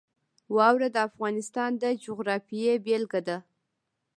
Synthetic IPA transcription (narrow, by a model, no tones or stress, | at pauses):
wɑwɾad̪əafɣɑnɪst̪ɑnd̪əd͡ʒʊɣɾɑfijebelɡad̪a